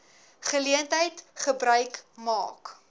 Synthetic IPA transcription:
χəliəntəjtχəbɾœɥkmɑ̰ːk

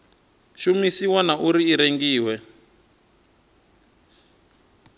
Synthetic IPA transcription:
ʃumisiwanaʔuɾiːɾeŋɡiːwɛ

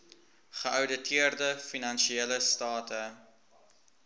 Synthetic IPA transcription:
χəʔœwdətʰiərdəfinɐnʃieləstɑːtʰə

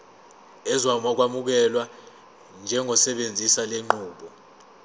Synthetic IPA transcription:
ɛzwamɔk̬wamuk̬ɛlwa | nd͡ʒʱɛŋɡʱɔsɛɓend͡zʱisaleŋ͡ǃuːɓɔ

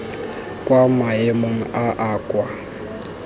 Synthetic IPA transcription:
kʼwamaemoŋ̩aʔaːkʼwa

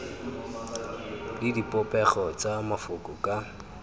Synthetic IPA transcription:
lɪdipʼɔpʼɛχɔt͡sʼamafʊkʼʊkʼa

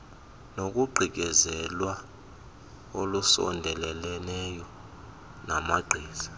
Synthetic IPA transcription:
nok̬ʼuɡ͡ǀʱik̬ɛzɛlwa | olusɔ̰ndʱɛlɛlɛnɛjɔ | namaɡ͡ǀʱiːzḁ

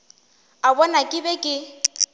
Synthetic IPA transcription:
abɔnakʼɪbɛkʼɪ

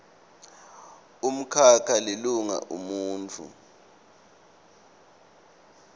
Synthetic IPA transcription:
um̩kʰakʰaliluŋa̰ʔumuːnt͡fʰṵ

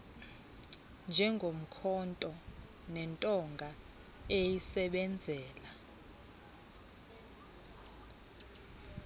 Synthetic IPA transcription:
nd͡ʒʱɛŋɡʱom̩kʰɔntʼɔ | nɛntʼɔŋɡʱa | ejisɛɓɛnd͡zʱɛːla

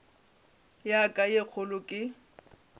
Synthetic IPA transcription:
jakʼajek͡xʰʊlʊkʼɪ

